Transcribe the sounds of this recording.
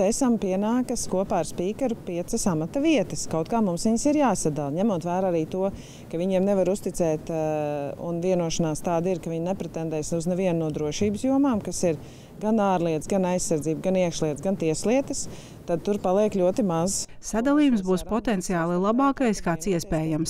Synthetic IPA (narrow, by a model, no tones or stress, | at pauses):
esɐmpiɛnaːkɐskuɔpaːɾspiːkɐɾupiɛt̪səsamat̪ɐʋiɛt̪ɐskawt̪̚kaːmumsʋiɲsiɾjaːsad̪alˠɲæmuɔt̪ʋæːɾaaɾiːt̪uɔ | kɐʋiɲiɛmnɛvaɾust̪it̪sɛːt̪ | ṵnviɛnuɔʃɐnaːst̪aːd̪iɾkɐvʋiɲnɛpɾɛt̪ɛnd̪ɛːsuznɛviɛnnuɔd̪ɾuɔʃiːbsjuɔmaːmkasiɾ | ɡanaːɾlˠiɛt̪sɡanajsːaɾdziːbɡaniɛkʃlˠiɛt̪zɡant̪iɛslˠiɛt̪əs | t̪ad̪̚t̪uɾpalˠiɛkʎʲuɔt̪imazsad̪alˠiːjumsbuːspɔt̪ɛnt̪sijaːlˠilˠabɑːkajskaːt̪siɛspɛːjams